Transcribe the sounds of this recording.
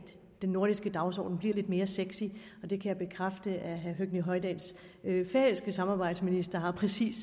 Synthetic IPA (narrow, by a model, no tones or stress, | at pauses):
d̥ | d̥enːo̝ɐ̥isɡ̥əd̥ɑ̈ʊsɒ̰ːd̥n̩b̥liɐle̝d̥me̝ːɐseɡ̥si | ɒ̽d̥e̝kʰæjäɪb̥e̝kʰʁafd̥əʔæɦæɦøɡ̥niɦɒ̽ɪd̥æns | fɛlsɡ̥əsɑ̈mɑ̈ːb̥ɑ̈ɪ̰d̥sminisd̥ɐɦɑ̈pʰʁɛsḭːs